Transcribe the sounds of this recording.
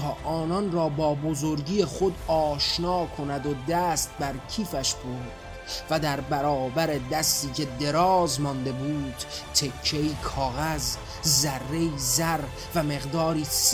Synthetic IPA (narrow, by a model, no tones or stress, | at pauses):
ɒːʔɒːnɒnrɒːbɒːbozo̞ɾɟiːjeχo̞d̪ɒːʃnɒːkʰo̞næd̪od̪æːst̪̚bæɾcʰiːfæʃboɾd̪ | væd̪æɾbæɾɒːbæɾe̞d̪æst̪iːcʰe̞d̪e̞ɾɒːzmɒnd̪e̞buːd̪̥t̪ʰːe̞kʰːeiːkʰɒːɣæzː | ærːe̞iːzæɾ | væme̞ɣd̪ɒːɾiːs